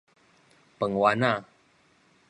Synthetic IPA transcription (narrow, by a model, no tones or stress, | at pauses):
pəŋwana